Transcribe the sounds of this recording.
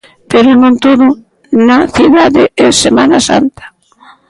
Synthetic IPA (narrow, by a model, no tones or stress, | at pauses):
peɾonõnt̪oðʊ | naθiðaðɪʔɛsemãnasa̰nt̪ḁ